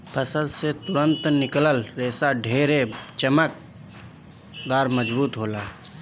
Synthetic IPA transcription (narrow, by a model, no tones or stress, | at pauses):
pʰəsəd̪set̪ʊɾə̃nt̪nɪkləlɾeːsaɖʱeːɾet͡ʃəmək̚ | d̪aːɾməd͡ʒbuːt̪ɦoːlaː